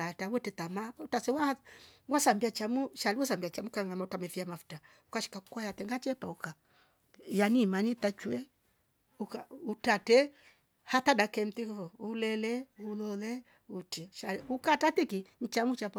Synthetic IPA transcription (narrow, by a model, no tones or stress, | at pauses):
atawɛtɛtamautasɛwahwasambiat͡ʃamuʃaliasambiat͡ʃamukaŋamautamɛfiamafu̥ta | ukaʃi̥kaku̥kwajatɛŋɡat͡ʃɛpauka | janimanitat͡ʃuɛ | ukautatɛ | hatadakɛm̩tikɔulɛlɛulɔlɛ | utiʃaliukatatikin̩t͡ʃamut͡ʃapa